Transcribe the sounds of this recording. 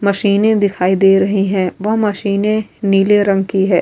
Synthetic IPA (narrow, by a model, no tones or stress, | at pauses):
mɐʃiːnẽd̪ɪkʰaːid̪eːɾɐɦiɦɛ̃ːʋɐɦmɐʃiːnẽniːleɾɐ̃ŋɡkiɦɛː